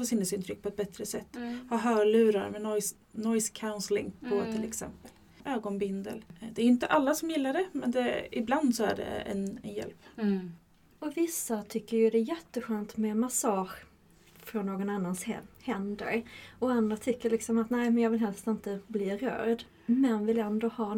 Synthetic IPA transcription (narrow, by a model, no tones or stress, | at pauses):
fɔsɪnəsɪnt̪ɾʏk̚ːpʰɔɛt̪̚bɛt̪ɾəsɛt̪ːhɑɦœːɭʉ̟ːɾaɾmɛnɔjs | nɔjskʰaʊnslɪŋpʰɔt̪ʰɪlɛksɛ̰mpəl | ʔøːɡɔnbɪnd̪ə̰ld̪ɛæɾjʏnt̪əʔalːasɔmjɪlːaɖɛmɛnd̪ɛɪbland̪sɔæɖɛ̰ɛ̰nɛ̰njɛ̰lp | ɔvɪsːat̪ʰʏkːəɾjɵd̪ɛjɛt̪ːəɧøːnt̪mɛmasɑːɧ | fɾɔnːoːɡɔnanːanshɛnd̪ə̰ɾɔand̪ɾat̪ʰʏkːəɭɪksɔmat̪næɪmɛnjɑːvɪlɦɛlst̪ɪnt̪əbliːɾœ̰ːd̪ | mɛnvɪlɛnd̪oːhɑː